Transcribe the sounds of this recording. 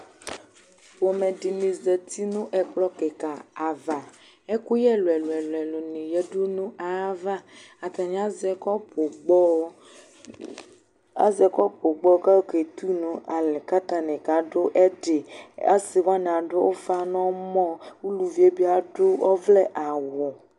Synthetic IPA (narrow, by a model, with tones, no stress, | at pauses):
wo˨me˨ɖi˨nĩ˨ze˨t̪ʰi˦nũ˦ʔɛ˨k͡plɔ˦ke˨ka˨a˨va˨ | e˦ku˦jɛ˦lo˨ɛ˨lo˨ɛ˨lo˨ɛ˨lo˨nĩ˨jɛ˦ɖu˦nũ˦a˨a˦va˦ | a˨t̪a˨ɲ˨˦a˦zɛ˦kɔ˦po˨ɡ͡bɔ˦ | a̰˦zɛ˨kɔ˦po˨ɡ͡bɔ˦ka˦ke˨t̪u˦nũ˦ʔa˨le˨ka˦t̪a˦nẽ˨ka˨ɖo˦ʔɛ˦ɖe˨a˦si˨wa˦ñ˨a˨ɖʊ˦wo˦fa˦nɔ̃˦mɔ̃˦wu˦lu˨vi˦e˦bi˦a˨ɖo˦ɔ˦vlɛ˦ʔa˨wɔ˨